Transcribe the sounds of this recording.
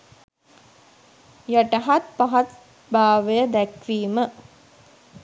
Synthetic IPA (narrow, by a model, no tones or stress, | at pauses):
jəʈəɦat̪̚paɦat̪ | baːʋəjəd̪ækʋiːmə